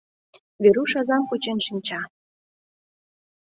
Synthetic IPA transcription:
βeɾuʃɑzɑmkut͡ɕenʃinʲt͡ɕɑ

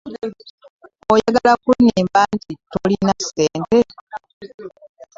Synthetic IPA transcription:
ojaɡalakuɲiːmbaːntitolinaseːnte̞

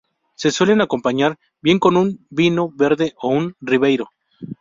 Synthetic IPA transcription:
se̞swe̞le̞nako̞mpaɲaɾ | bje̞ŋko̞nunbino̞βe̞ɾðe̞ʔounriβe̞jɾo̞

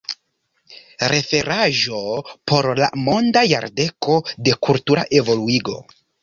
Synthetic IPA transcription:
ɾe̞fe̞ɾʔaʒo̞po̞ɾla̰mo̞ndaja̰ɾde̞ko̞de̞kultuɾa̰ʔe̞vo̞luiɡo̞̰

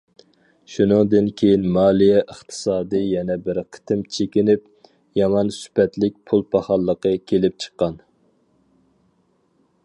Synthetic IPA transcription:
ʃunɨŋd̪ɨnkʲʰejinmɑːlˠijɛʔəχt̪ʰɨ̥sɑːd̪ɨjɛnɛbɪɾqʰə̥t̪ʰɪmt͡ʃʰekʲinɪp̚ | jɑmɑnsy̥pɛt̪lɪk̚ʲpʰulˠpʰɑχɑlˠːəqəkʲʰelɪp̚t͡ʃʰə̥qːɑn

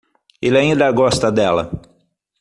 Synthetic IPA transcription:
elaĩnd̪ɐɡɔst̪ɐd̪ɛlɐ̰

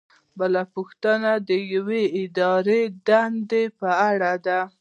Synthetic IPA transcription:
bəlapuxt̪ənad̪əjaweɪd̪ɑɾed̪and̪epəaɽad̪a

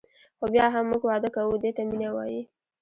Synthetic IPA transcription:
xobjɑɦamːuɡwɑd̪əkawud̪et̪aminawɑ̰ji

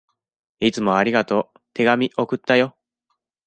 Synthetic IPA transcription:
it͡sɨmo̞aɾʲiɡat̪o̞ | t̪e̞ɡamʲiʔo̞kɯ̟t̪ːajo̞

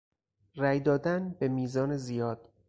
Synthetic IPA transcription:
ræjd̪ɒːd̪ænbe̞miːzɒːnezijɒːd̪̥̚

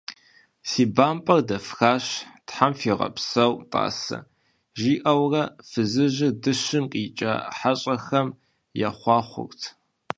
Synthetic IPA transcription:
siːbaːmpʼɐrdɐfxaːɕtħamfiːʁɐ̰psɐwtʼa̰ːsɐ̰ | ʒiːʔɐwrɐfɨzɨʑɪdɨʃɨmqʼiːt͡ʃʼɐ̰ħaɕʼɐxɐm | jaχʷɑːχʷʊ̰rtʰ

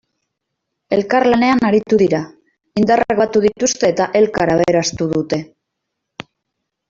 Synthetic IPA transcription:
e̞lkaɾlane̞anaɾit̪uðiɾa | ind̪areɣat̪uðit̪ust̪e̞ːt̪aʔe̞lkaɾaβeɾast̪uðut̪e̞

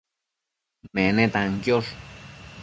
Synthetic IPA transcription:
menẽt̪aŋkjor

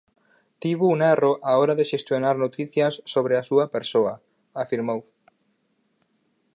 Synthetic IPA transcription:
t̪iβounaroʔaɔɾaðeʃest̪jonaɾnot̪iθjɐsːoβɾeasuɐpeɾsoɐ | afiɾmow

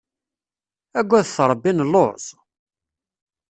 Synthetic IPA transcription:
æɡʷːæðθɾˤbːinlːoɾˤz

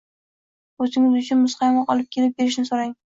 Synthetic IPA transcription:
ɵzɪŋɪzʊt͡ʃʰʊnmʊsqɑjɒŋɑqʰɒlˠɪp̚kʲʰe̞lɪp̚be̞ɾɪʃnɪsoɾaŋ

